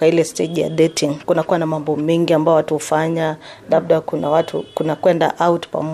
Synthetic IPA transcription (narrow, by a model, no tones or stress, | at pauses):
ailɛsteʄija̰ɗɛtʰiŋkunakuwanamambɔmɛŋɡiambajɔwatuhufaɲa | laɓ̚ɗakunawatʰukunakwɛnda̰ʔawtpa̰mɔ